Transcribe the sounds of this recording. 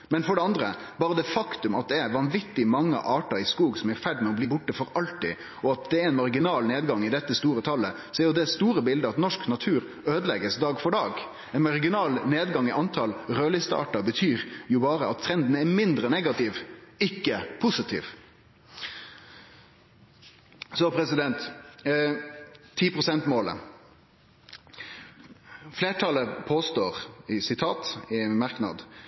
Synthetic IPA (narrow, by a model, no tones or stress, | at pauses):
mɛnfɔɖɛɑnd̪ɾə | b̥ɑːɾəd̪ɛfɑkt̪ʉmɑt̪̚d̪ɛɛɾʋɑnʋɪt̪ːɪmɑŋːə̰ʔɑːʈɑɪskuːɡsɔmɛɾfæɖmɛɔbliːbʊʈːəfɔɾɑlt̪ɪ̰ | ɔɑt̪̚d̪ɛɛnmɑɾɡɪnɑːlneːd̪ɡɑŋɪd̪ɛt̪ːəst̪uːɾət̪ʰɑlːə | sɔɛɾjʊd̪ɛst̪uːɾəbɪld̪əɑt̪nɔʂknɑt̪ʰʉːɾ | øːd̪əlɛɡəsd̪ɑːɡfɔɖɑːɡ | ɛnmɑɾɡɪnɑːlneːd̪ɡɑŋɪʔɑnt̪ʰɑlɾøːlɪst̪əɑ̰ːʈɑbət̪ʰyːɾjʊbɑːɾəɑt̪t̪ʰɾɛnd̪n̩æɾmɪnd̪ɾənɛɡɑt̪ɪʋɪkːəpʰʊsɪt̪ʰḭːʋ | sɔpʰɾɛsɪd̪ɛnt̪ | iːpʁʊsɛnt̪moːlə̰ | fleːʈʰɑləpʰoːst̪oːʁɪsɪt̪ʰɑːt̪ɪmɑɾknɑ̰d̪